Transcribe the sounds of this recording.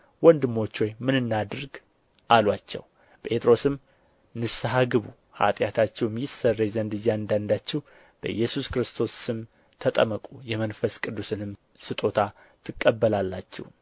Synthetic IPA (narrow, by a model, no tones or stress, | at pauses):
wɔnd̪ɨmːo̞t͡ʃːo̞jmɨnɨnːad̪ɨɾɡ | ʔalwat͡ʃːɛ̰w | pʼe̞t̪ʰɾo̞sɨm | nɨsɨɦaɡɨβṵ | ha̰t̪ʼjat̪ʰat͡ʃːɛwmjɪsərːazənd̪ɨjːand̪and̪at͡ʃːɛw | b̥əʔjːɛsuskɨɾɨst̪ʰo̞sːɨm | t̪ʰət̪ʼə̰məkʼujɛmənfəskʼɨd̪ːusɨnɨm | sɨt̪ʼo̞t̪ʰa | t̪ʰɨkʼːəbːəlalːat͡ʃːɛ̰w